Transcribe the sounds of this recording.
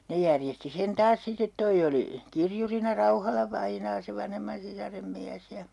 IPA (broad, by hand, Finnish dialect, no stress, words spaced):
ne jærjesti sen tɑːs sitˑet toi oli kirjurinɑ rɑuhɑlɑʋɑinɑː se ʋɑnhemːɑn sisɑrem miæs jɑ